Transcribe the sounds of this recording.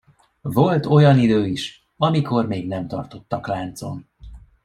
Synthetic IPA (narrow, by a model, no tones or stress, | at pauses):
vo̞lt̪o̞jɒnid̪øːiʃ | ɒmiko̞rmeːɡnɛmt̪ɒ̰rt̪o̞t̪ːɒklaːnt̪so̞̰n